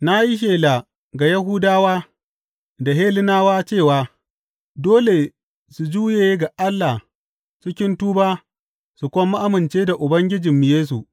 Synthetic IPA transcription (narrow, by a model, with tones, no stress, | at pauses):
na˦ji˦ʃ̬eː˨la˨ | ɡa˨jɐ˦ɦu˦daː˦waː˦ | da˨ɦeː˦lɪ˦naː˦waː˦t͡ʃeː˦˨waː˨ | doː˦le˨ | su˨d͡ʒuː˦jeː˨˦ɡa˨ʔa˦lːa˨ | t͡ʃɪ˦kʲɪ˦ntuː˦baː˦ | su˨kʷɔ˦mːa˦ʔa˦mɪ˨nt͡ʃeː˦da˨ʔʊ˨bɐ˦ŋɡʲɪ˦d͡ʒɪ˨mːɪ˨jeː˦s̬u˨ʔ